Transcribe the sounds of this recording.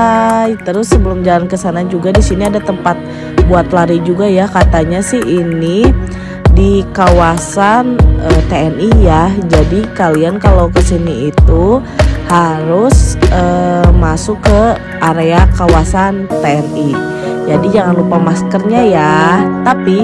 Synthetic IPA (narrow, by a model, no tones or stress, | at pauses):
ajt̪əɾʊsːəbəlʊmd͡ʒalankəsanad͡ʒuɡadisiniadat̪əmpat̪̚ | buat̪laɾid͡ʒuɡajakat̪aɲasɪhini | dikawasanət̪eɛnijahd͡ʒadikaliankalokəsiniːt̪uhaɾʊsəmasʊkːə | ʔaɾeakawasant̪eɛni | d͡ʒadid͡ʒaŋanlupamaskərɲajat̪api